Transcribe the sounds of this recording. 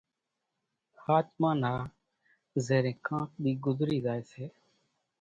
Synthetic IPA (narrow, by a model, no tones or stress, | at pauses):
haːt͡ʃmãːnaː | zeːɾẽːkʰãːʈ̚ɗ̪iːɡʊzɾiːzaːeːseː